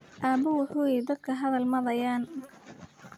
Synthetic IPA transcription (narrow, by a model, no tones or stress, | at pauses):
ʔaːbɐwʊħuːjɛjd̪ɐd̪̚kʰɐɦɐðɐlmɐðɐjaːn